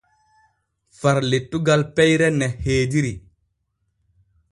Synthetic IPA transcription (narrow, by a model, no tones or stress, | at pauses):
faɾletːuɡalpɛjɾɛnɛheːdiɾi